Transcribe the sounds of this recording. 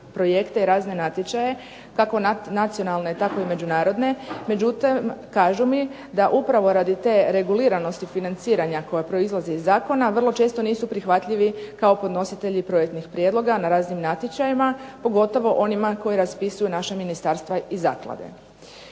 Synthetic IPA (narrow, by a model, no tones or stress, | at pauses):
pɾo̞je̞kt̪e̞iɾaːzne̞nat̪jet͡ɕaje̞ | kako̞nat̪sijo̞nalˠne̞t̪ako̞ime̞d͡ʒunaːɾo̞d̪ne̞me̞d͡ʑut̪imkaːʒumi | d̪aʔupɾaʋo̞ɾad̪it̪e̞ːɾe̞ɡuliːɾano̞st̪ifinant̪siːɾaɲako̞japɾo̞izlˠazeizːaːko̞naʋər̩lˠo̞t͡ʃe̞ːst̪oniːsupɾixʋat̪ʎiʋikaopo̞d̪no̞sit̪e̞ʎipɾo̞jek̚t̪nixpɾjed̪lˠo̞ɡanaɾaːznimnat̪ʲjet͡ʃajimapo̞ɡo̞t̪o̞ʋo̞ʔo̞nimako̞jiɾaspisujunaʃaminist̪aɾst̪ʋaiza̰ːklˠa̰d̪ḛ